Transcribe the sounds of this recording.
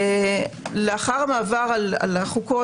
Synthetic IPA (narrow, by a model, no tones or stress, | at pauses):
leaχaʁmaːvaʁala̰laχuko